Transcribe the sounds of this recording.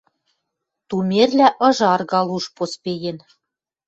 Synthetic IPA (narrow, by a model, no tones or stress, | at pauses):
t̪umerlæʔɤ̆ʒɑrɣɑlˠuʃpospejen